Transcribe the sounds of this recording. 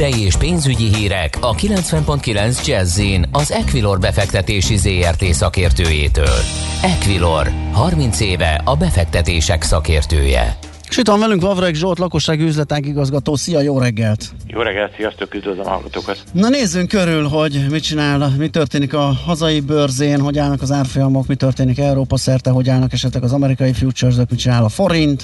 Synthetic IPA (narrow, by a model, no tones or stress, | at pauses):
ɛjieːʃpeːnzyɟiɦiːɾɛkʰɒkilɛnt̪sʋɛmpo̞nt̪kilɛnzd͡ʒɛzːinɒzɛkʋilo̞rbɛfɛkt̪ɛt̪eːʃizeːɛrt̪eːsɒkeːrt̪øːjḛːt̪ø̰ːlɛkʋilo̞rhɒrmint̪seːvɛ̰ʔɒbɛfɛk̚t̪ɛt̪eːʃɛksɒkeːrt̪ø̰ːjɛ̰ | ʃit̪ʋɒɱvɛlyŋkʋɒvɾɛɡʒot̪lɒko̞ʃːaːɡyːzlɛt̪aːɡiɡɒzɡɒt̪oːsijɒjoːɾɛɡːɛlt̪jo̰ːɾɛɡːɛlt̪sijɒst̪ølkyzd̪øzɛmɦɒ̰lɡɒ̰t̪oːkɒt̪nɒneːzːyŋkøɾylɦo̞ɟmit͡ʃinaːlmit̪ørt̪eːnikɒhɒzɒjibørzeːnɦo̞ɟaːlnɒkɒzaːrfo̞jɒmo̞kmit̪ø̞rt̪eːnikɛuɾoːpɒsɛrt̪ɛɦo̞ɟaːlnɒkɛʃɛt̪lɛɡɒzɒmɛɾikɒjifjuːt͡ʃørzokmit͡ʃinaːlɒfo̞ɾint̪